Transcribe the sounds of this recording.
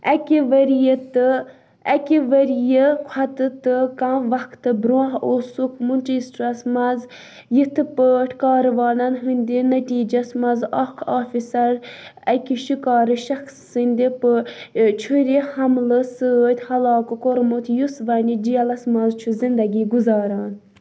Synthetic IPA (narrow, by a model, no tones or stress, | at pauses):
ɐkʲiʋɐɾijət̪ɨ | ɐkʲiʋɐɾijəkʷʰɐt̪ɨt̪ɨkãʋɐkʰt̪ɨbɾõɦosukʰmunʲt͡ʃisʈɾɐsmɐz | jit̪ʰɨpɨʈʰkɑːɾʋɑːnɐnɦɨnʲd̪ʲinɐt̪ʲiːd͡ʒɐsmɐzaːkʰaːfisɐɾɐkʲiʃikɑːɾɨʃɐxsːɨnʲd̪ipɨt͡ʃʰuɾihɐmlɨsɨt̪ʲʰhɐlɑːkɨkoɾmut̪ʰjusʋɐnʲid͡ʒijɐlɐsmɐzt͡ʃʰuzind̪ɐɡiːɡuzɑːɾaːn